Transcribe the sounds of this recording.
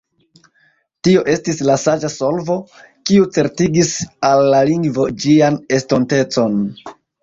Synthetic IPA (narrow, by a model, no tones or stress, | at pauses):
tio̞ʔe̞stislasad͡ʒaso̞lvo̞ | kiut͡se̞ɾtiɡisalːaliŋɡvo̞d͡ʒiane̞sto̞nte̞t͡so̞n